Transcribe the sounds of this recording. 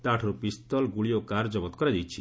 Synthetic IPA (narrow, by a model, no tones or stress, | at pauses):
t̪aʈʰɔɾupist̪ɔlɡuɭijokaɾd͡ʒɔbɔt̪̚kɔɾad̪ijt͡ʃʰi